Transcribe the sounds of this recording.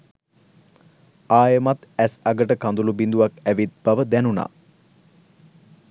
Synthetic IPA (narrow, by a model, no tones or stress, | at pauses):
aːjəmat̪æsaɡəʈəkand̪ulubind̪uʋakæʋit̪̚baʋəd̪ænuna̰ː